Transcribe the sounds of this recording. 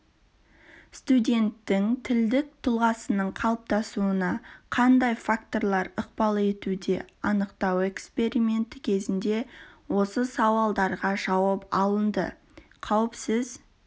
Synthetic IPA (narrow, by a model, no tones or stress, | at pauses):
st̪udʲe̞nt̪ːɪŋt̪ʰɪld̪ɪk̚t̪ʰʊlˠʁɑsənəɴqʰɑlˠəp̚t̪ɑsuənɑqʰɑnd̪ɑjfak̚t̪o̞ɾlˠɑɾəq̚pɑlˠe̞t̪ud̪e̞ɑnəqt̪ɑwe̞kspe̞ɾime̞nt̪əkʲʰe̞zɪnd̪e̞wo̞səsɑwɑlˠd̪ɑɾʁɑʒɑwɑpɑlˠənd̪ə̰ | qʰɑwəpsɪz